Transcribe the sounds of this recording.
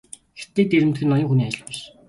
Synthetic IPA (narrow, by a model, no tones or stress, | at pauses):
xet̪ːeːt̪eɾɘ̆mt̪xɘ̆nːɔjɞ̆ŋxuniːaj̆ɮpæʃ